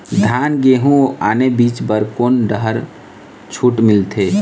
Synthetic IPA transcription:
d̪ʱanɡeɦũaːnebit͡ʃbəɾkoːnɖəɦəɾ | t͡ʃʰuʈmilt̪ʰe

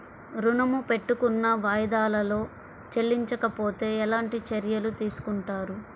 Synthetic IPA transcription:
ɾunɐmupe̞ʈːukunːɐʋaːjɐd̪aːlɐlo̞ː | t͡ʃelːiɲt͡ʃɐkɐpo̞ːt̪e̞ːɛlaːɳʈit͡ʃɐɾjɐlut̪iːsu̥kuɳʈaːɾu

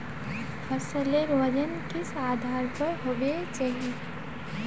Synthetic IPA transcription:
həsəleɾʋəd͡ʒənkɪsaːd̪ʱaːɾpəɾɦoːʋet͡ʃaɦie

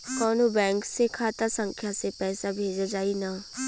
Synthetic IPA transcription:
kɔːnobɛ̃ːŋksekʰaːt̪asə̃ŋkʰjasepɛːsabʱeːd͡ʒad͡ʒaːinaː

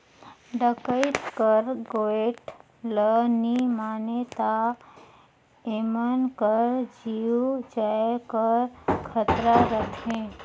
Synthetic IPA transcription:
ɖəkət̪kəɾɡoeʈ | lənimaːnet̪a | emənkəɾd͡ʒiud͡ʒajkəɾkʰət̪ɾaɾət̪ʰẽ

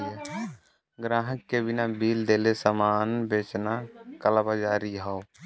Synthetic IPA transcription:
e | ɡɾaːɦəkːebɪnabiːld̪eːlesamaːnbeːt͡ʃnakəlabad͡ʒaːɾiɦɔʊ

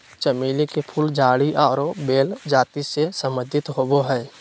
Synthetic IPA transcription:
t͡ʃəmiːlikepʰuːld͡ʒaːɽiʔaɾobeːld͡ʒaːt̪isesə̃məd̪ʱɪt̪ɦoboɦɛː

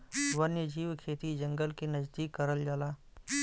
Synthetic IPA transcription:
ʋɐnjəd͡ʒiːwkʰeːt̪id͡ʒɐ̃ŋɡəlkinɐzd̪iːkːɐɾəld͡ʒaːlaː

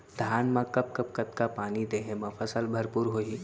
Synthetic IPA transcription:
d̪ʱaːnmãkɐp̚kɐp̚kɐt̪kapaːnid̪eːɦẽmɐ̃fʰɐsəlbʱɐɾpuːɾɦoːi

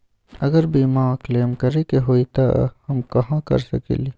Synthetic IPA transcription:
ɐɡəɾbiːmaːkleːmkɐɾekeɦoːit̪a̰hɐmkɐɦãkɐ̰ɾsɐ̰kḛːliː

